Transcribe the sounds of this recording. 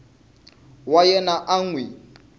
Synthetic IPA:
wajɛnaʔaŋ̩wi

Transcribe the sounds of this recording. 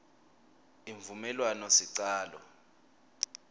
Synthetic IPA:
iɱvumɛlwanɔsiǀaːlɔ̰

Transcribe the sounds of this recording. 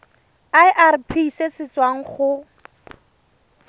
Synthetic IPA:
aɪʔarpʰisesɪt͡swaŋ̩χʊ

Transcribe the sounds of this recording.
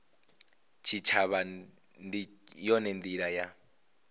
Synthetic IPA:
t͡ʃʰit͡ʃʰaβa | ndijɔnɛnd̪iɺaja

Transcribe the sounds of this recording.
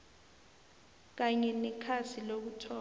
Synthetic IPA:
k̬aɲɛnɛkʰasʰilok̬utʰɔː

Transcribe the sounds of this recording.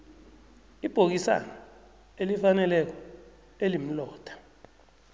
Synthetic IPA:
ib̥ʱok̬isa̰nɔ | elifanɛlɛk̬ɔ | elim̩lɔːd̥ʱḁ

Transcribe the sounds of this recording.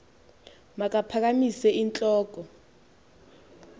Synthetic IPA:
mak̬ʼapʰak̬amisɛint͡ɬʼɔːk̬ʼɔ

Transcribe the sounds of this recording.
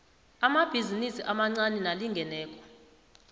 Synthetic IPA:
amab̥ʱizinisiʔamaŋ͡ǀanɛnaliŋɡʱɛnɛːkʼɔ̥

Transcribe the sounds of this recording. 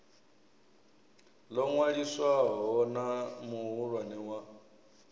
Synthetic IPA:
lɔŋwaɺiswaɦɔnamuɦuɺwanɛwa

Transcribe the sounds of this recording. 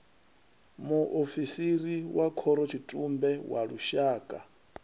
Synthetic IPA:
muʔofisiriwakʰɔɾɔt͡ʃʰitʼumbɛwaɺuʃaːkʼa

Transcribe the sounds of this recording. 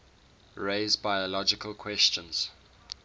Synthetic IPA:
ɹeɪzbaɪəlɔd͡ʒɪkəlˠkʰw̥ɛst͡ʃə̃nz̥

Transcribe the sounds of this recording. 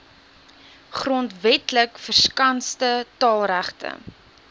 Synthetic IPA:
χrɔntvɛtləkfərskɐnstətɑːlˠræχtə̰

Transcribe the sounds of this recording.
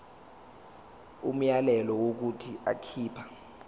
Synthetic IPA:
um̩jalɛlɔwok̬utʰia̰kʰiːpʰḁ

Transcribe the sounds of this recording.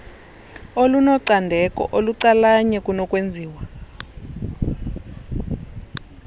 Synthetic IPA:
olunɔǀandʱɛkʼɔ̰ʔoluǀalaɲɛkʼunɔkʼwend͡zʱiːwa

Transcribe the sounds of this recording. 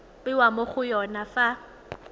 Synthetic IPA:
bɪwamoχʊjɔnafa

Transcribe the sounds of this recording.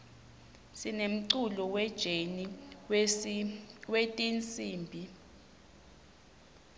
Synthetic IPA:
sinem̩ǀulɔwɛd̥ʒ̥ʱeni | wetʼint͡sʼiːmbʱi

